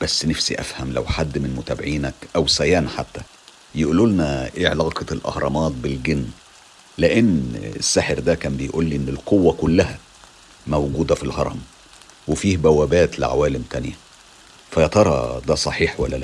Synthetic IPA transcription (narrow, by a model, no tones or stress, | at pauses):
b̥æsːnæfsḭʔæ̰fhæmlæ̰wħad̪ːmenmʊt̪æbeʕiːnækʔæwsæjæːnħat̪ːæ | jeʔululnæʔeːʕelɑːqɑlʔɑ̰hɾˤɑ̰mɑːt̪̚belɡenː | leʔenːḛsːaħeɾd̪ækæːmbejʔuːlːiʔenːelqowːækʊlːæhæ | mæwɡuːd̪æfilhɑ̰ɾˤɑ̰m | wefiːhbæwːæbæːt̪leʕa̰wæːlemt̪ænjæ | fæjt̪ˤɑɾˤɑ̰d̪æsˤɑħiːħwæ̰lːælæ